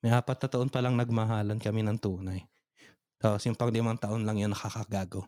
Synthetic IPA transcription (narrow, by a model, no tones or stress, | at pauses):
mɐjʔaːpɐt̪̚nɐt̪ɐʔonpɐlaŋnɐɡ̚mɐɦaːlɐnkɐminɐŋt̪uːnɐj | t̪asjʊmpɐŋd̪ɪmɐnt̪ɐʔonlɐŋjʊnːɐkakɐɡaːɡo